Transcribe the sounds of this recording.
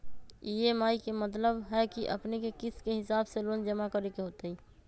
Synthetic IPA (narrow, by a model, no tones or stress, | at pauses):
iemaːikemət̪ləbɦɛkiʔə̰pnekekɪskeɦɪsaːbseloːnd͡ʒəmakəɾekeɦoːt̪aiː